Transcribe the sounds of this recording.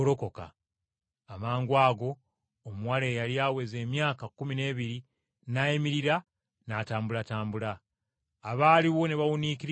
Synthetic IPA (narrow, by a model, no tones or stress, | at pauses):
ɾo̞ko̞ka̰ː | maːŋɡwaːɡo̞ː | muwale̞jaliawe̞ze̞ːmjaːkakumine̞ːβiɾi | najemiɾiɾa | nataːmbulataːmbulaː | βaːliβo̞neβawunikiɾ